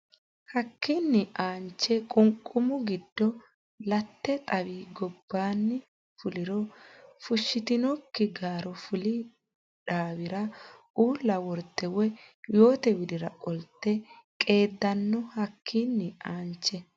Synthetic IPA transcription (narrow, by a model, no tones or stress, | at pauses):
hɐkːɪnːɪʔaːnt͡ʃːɛkʼʊŋkʼʊmʊɡɪd̪ːɔ | lɐt̪ːɛt̪ʼɐwiːɡɔb̥ːaːnːɪ | fʊlɪɾɔfʊʃːɪt̪ɪnɔkːɪɡaːɾɔfʊli | ᶑaːwɪɾɐ | uːlːɐwɔɾt̪ːɛwɛjo̞ːt̪ɛwɪd̪ɪɾɐkʼɔlt̪ːɛ | kʼe̞ːd̪ːɐnːɔhɐkʰːinːɪaːnt͡ʃːɛ